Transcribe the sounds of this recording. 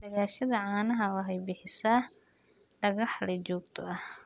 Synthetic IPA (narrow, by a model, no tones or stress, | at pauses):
ɖɐɣaːʃɐðɐʕaːnɐɦɐwɐɦɛjbɪħɪsa | ɖɐɣɐħlɛt͡ʃɔːɡt̪ʰɔɐh